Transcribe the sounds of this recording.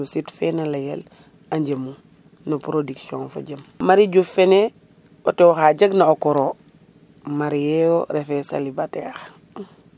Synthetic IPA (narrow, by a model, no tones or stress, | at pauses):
usitfenalajel | aɲɟəmu | nopɾodiksiõnfo̰ɟɐmmaɾiɟufene | otewoxaɟɐɡnaokoɾoː | maɾijeoɾefesa̰libateːx